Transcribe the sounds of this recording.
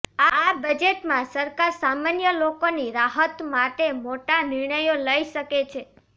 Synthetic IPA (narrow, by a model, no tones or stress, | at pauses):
aːbəd͡ʒeʈmãsəɾkaɾsamanjəlokoniɾaɦət̪maʈemoʈanɪɾɳəjoləiʃəket͡ʃʰe